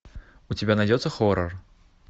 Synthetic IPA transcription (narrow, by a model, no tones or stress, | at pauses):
utʲɪbʲanɐjdʲɛt̪sːəxɔɾər